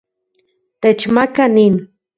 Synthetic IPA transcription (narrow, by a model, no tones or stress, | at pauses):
t̪et͡ʃmakanin